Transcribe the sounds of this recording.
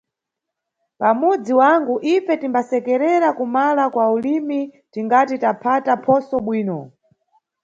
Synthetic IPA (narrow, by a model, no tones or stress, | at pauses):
pamud͡ziwaŋɡuʔifɛtimbasɛkɛɾɛɾakumalakwaulimi | tiŋɡatitapʰatapʰɔsɔɓwiːnɔ